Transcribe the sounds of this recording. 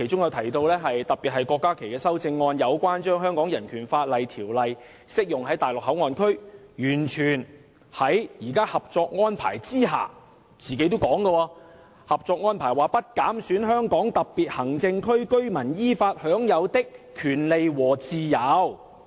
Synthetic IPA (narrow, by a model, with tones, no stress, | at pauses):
kʰe˨˩jt͡ʃʊ˥ŋjɐ˨˧wt̪ʰɐ˨˩jt̪o˧wlɛː˥ɦɐ˨jt̪ɐ˨˩piː˨t̚hɐ˨jkɔː˧kːaː˥kʰe˨˩jkɛː˧sɐ˥wt͡sɪ˧ŋːɔː˧njɐ˨˧wkʷaː˥nt͡ʃœː˥ŋɦœː˥ŋkɔː˨˥ŋjɐ˨˩nkʰyː˨˩nfaː˧t̚lɐ˨jt̪ʰiː˨˩wlɐ˨j | sɪ˥k̚jʊ˨ŋɦɐ˨˥jt̪aː˨jlʊ˨k̚hɐ˨˥wŋɔː˨˧nkʰɵ˥ɥjyː˨˩nt͡ʃʰyː˨˩n | hɐ˨˥jjiː˨˩kaː˥hɐ˨p̚t͡ʃɔː˧k̚ŋɔː˥npʰa̰ː˨˩jt͡siː˥ɦa̰ː˨ | t͡siː˨ke˨˥jt̪o˥wkɔː˨˥ŋɡɐ˧wɔː˧ | hɐ˨p̚t͡ʃɔː˧k̚ŋɔː˥npʰaː˨˩jwaː˨˩pɐ˥t̚kaː˨˥msyː˨˥nɦœː˥ŋkɔː˨˥ŋt̪ɐ˨k̚piː˨t̚hɐ˨˩ŋt͡sɪ˧ŋkʰɵ˥ɥkɵ˥ɥmɐ˨˩njiː˥faː˧t̚hœː˨˥ŋjɐ˨˧wt̪ɪ˥kkʰːyː˨˩nle˨jwɔː˨˩t͡siː˨jɐ˨˧˥w